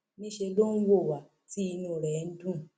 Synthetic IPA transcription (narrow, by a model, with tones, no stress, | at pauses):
mĩ˦ʃe˧lo˦n̩˦wo˦˨wa˨ | ti˦˧nũ˦˨ɾɛ˨˦n̩˦dũ˦˨